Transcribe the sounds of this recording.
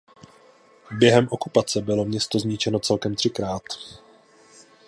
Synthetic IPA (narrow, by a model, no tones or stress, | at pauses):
bjɛɦɛmʔo̞kupat͡sɛbɪlo̞mɲɛst̪o̞zɲɪt͡ʃɛno̞tt͡sɛlkɛmt̪r̝̥ɪkɾaːt̪